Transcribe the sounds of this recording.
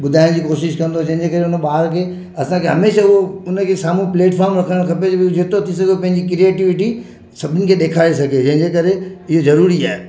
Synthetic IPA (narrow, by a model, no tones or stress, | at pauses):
ɓʊd̪ʱaːɪ̃d͡ʑiːkoːʃɪʃkɐ̃nd̪od͡ʑɐ̃ɦɪ̃ɲd͡ʑekɐɾeʊnəɓaːɦɾkʰeː | ɐsãkʰeɦɐmeːʃaʊɦoʊnə̆kʰesaːmũpleːʈfʰaːɾmɾɐkʰəɽə̃ɽ̃kʰɐped͡ʑebɪod͡ʑʱet̪ot̪ʰis̬ɐɡʱeopɐ̃ɦɪ̃ɲd͡ʑikɾieːʈɪʋɪʈi | sɐbʱɪnɪnɪ̆kʰeːɗeːkʰaːes̬ɐɡʱed͡ʑɐ̃ɦɪ̃ɲd͡ʑekɐɾeɪɦozɐɾuːɾia̰ːɦe